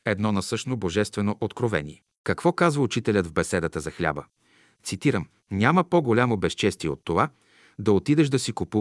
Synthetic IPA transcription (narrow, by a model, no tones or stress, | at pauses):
ɛd̪nɔnɐsɤʃnoboʒɛst̪vɛnoʔot̪kɾovɛ̰nʲiɛ | kɐkvɔkazvəut͡ʃit̪ɛlʲəd̪vbɛsɛd̪ət̪əzɐxlʲa̰bə | t̪sit̪iɾəm | nʲaməpoɡolʲamobɛst͡ʃɛst̪iɛot̪ːova | d̪ɐot̪id̪ɛʃd̪ɐsikupu